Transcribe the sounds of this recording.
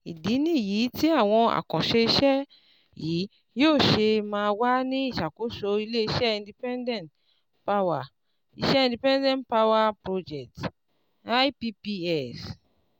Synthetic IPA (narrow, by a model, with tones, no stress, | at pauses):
i˨di˨˦nĩ˦˨ji˨˦ti˦a˦˨w̃ɔ̃˧a̰˨kɔ̃˨ʃe˧i˧ʃɛ˦ | jiː˨˦ | joː˦˨ʃe˧mãː˧wa˦nĩ˦i˦˨ʃa˨ko˨˦ʃo˧i˧le˦i˧ʃɛ˦ĩ˧ndi˧pɛ̃˦ndɛ̃˦˨nt | pa˦˧wa˨ | ḭ˧ʃɛ˦ĩ˧di˧pɛ̃˦ndɛ̃˦˨ntpa˦wa˧pɾo˧d͡ʒɛ˨t | a˦jpi˧pi˧ɛ˦˨s